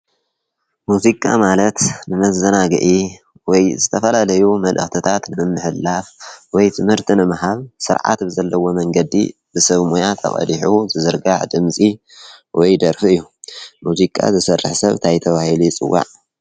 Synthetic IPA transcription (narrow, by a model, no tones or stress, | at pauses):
muzikʼa̰malɐt̪nɨmɐzːɐnaɡɨ̰ʔi | wɔjzɨt̪ʰɐfɐlalɐjumɐlʔɨ̰xt̪ʰɨt̪ʰat̪nɨmɨmːɨħɨlːafwɔjt̪ʰɨmhɨɾt̪ʰinɨmɨɦaβsɨ̰ɾʕa̰t̪bɨzɐlːɐwo̞mɐŋɡɐd̪ḭbɨsɐβmujat̪ʰɐ̰χʼɐ̰liħuzɨzɨɾɡaʕd̪ɨmsʼi | wɔjd̪ɐɾfiɨjːumuzikʼa̰zɨsɐrːɨ̰ħsɐ̰βt̪ʰajt̪ʰɐβahilut͡sʼɨ̰wːa̰ʕ